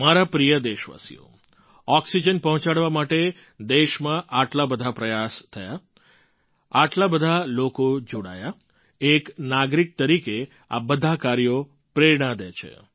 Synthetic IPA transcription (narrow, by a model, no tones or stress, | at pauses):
maɾapɾijəd̪eʃʋa̰sḭjo̰ | ɔksid͡ʒənpəɦɔ̃t͡ʃaɽʋamaʈe | d̪eʃmãʔaʈlabəd̪ʱapɾəjast̪ʰəja | aʈlabəd̪ʱalokod͡ʒoɽa̰ja | eknaɡɾik̚t̪əɾike | a̰bəd̪ʱakaɾjo | pɾeɾɽ̃ad̪et͡ʃʰḛ